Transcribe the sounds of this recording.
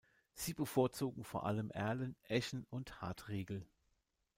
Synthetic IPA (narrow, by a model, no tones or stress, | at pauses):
z̥iːbəfoːɐt͡soːɡŋ̩foːɐʔa̰ləmʔɛɐlənʔɛçn̩ʊntha̰ːtʁeːɡl̩